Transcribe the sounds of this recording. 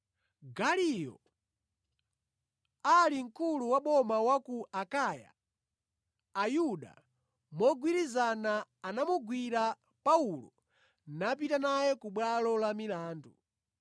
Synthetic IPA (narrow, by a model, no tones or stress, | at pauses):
ɡalijɔ̰ | aliŋ̩kʰuluwaɓɔmawakuʔakaja̰ | juɗa̰ | mɔɡwiɾizanaːnamuɡwiɾa | paulɔ̰ | nap̬itanajɛkuɓwalɔlamilaːndṵ